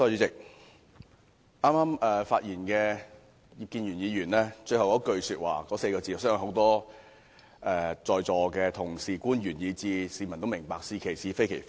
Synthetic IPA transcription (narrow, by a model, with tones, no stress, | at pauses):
sɔː˧jyː˨˧t͡sɪ˨k̚ | ʔaː˥maː˥mɛː˨faː˧t̚jiː˨˩nkɛː˧ | ji˨˧p̚kiː˧nɥyː˨˩njiː˨˧ɥyː˨˩nlɛː˥t͡ʃɵ˧hɐ˨wkɔː˨˥kɵ˧ɥsyː˧t̚wa̰ː˨˩kɔː˨˥se˧jkɔː˧t͡si˧˩jɐ˨˩sœː˥ŋ˨˩ho˨˥wt̪ɔː˥ | ʔɛː˨˧t͡sɔː˨jt͡sɔː˨˩kɛː˧t̪ʰʊ˨˩ŋsiː˨˩kuː˥nɥyː˨˩njiː˨˧t͡siː˧siː˨˧mɐ˨˩nt̪o˥mɪ˨˩ŋpaː˧k̚siː˧kʰe˨˩jsiː˨˧fe˥jkʰe˨˩jf